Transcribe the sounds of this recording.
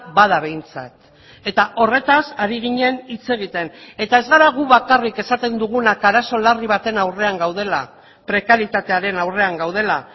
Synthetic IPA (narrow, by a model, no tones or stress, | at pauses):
bað̞aβe̞jnt͡sa̰t̪ | e̞t̪aʔo̞re̞t̪asaɾiɣ̞iɲe̞nit͡se̞ɣ̞it̪e̞ne̞t̪ae̞zɣaɾaɣuβakarike̞sat̪e̞nd̪uɣunakaɾaso̞lariβ̞at̪e̞nawre̞aŋɡawð̞e̞la | pɾe̞kaɾit̪at̪e̞aɾe̞nawre̞aŋɡawð̞e̞la